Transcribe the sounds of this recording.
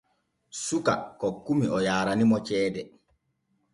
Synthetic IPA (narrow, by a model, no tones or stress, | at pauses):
suka̰kɔkːumiɔjaːɾanimɔt͡ʃɛːdɛ